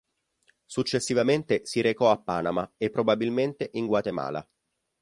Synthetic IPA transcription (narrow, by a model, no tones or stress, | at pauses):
sut͡ʃːesːivament̪esiɾekɔapːaːnamaepːɾobabilment̪eʔiŋɡwat̪ema̰ːla̰